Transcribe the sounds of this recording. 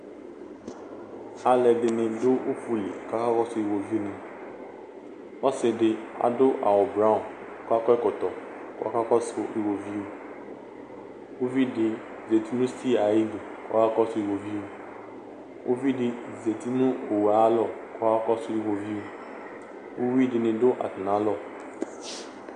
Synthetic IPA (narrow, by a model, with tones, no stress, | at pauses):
a˨lɛ˨dɪ˨nɪ̃˨dʊ˦o˦fu˦lḛ˨ka˦ka˦kɔ˦sʊ˦i˨wo˨vi˦o˦nʊ̃˨ | ɔ˦sɪ˨dɪ˦a̰˨dʊ˦ʔa̰˨wɔ˨bɾa˦ʊ˨˦ | kɔ˦a˦kɔ˦ɛ˦kʊ˨t̪ɔ˨ | kʊ˦a̰˨ka˦kɔ˦sʊ˦ʔi˨wo˨vi˦o˦ | o˦vi˦dɪ˨ | ze˨ti˦nʊ̃˦si˦a˨ji˦di˨ | kɔ̰˦ka˦kɔ˦sʊ˦i˨wo˨vi˦o˨ | o̰˦vi˦dɪ˨ze˨ti˦nʊ̃˦o˨we˨a˨a˦lɔ˦˨ | kɔ˦a˦kɔ˦sʊ˦i˨wo˨vi˦o˨ | o˦vi˦dɪ˨nɪ̃˨dʊ˦ʔa̰˨tɪ˨nã˨˦lɔ˦˨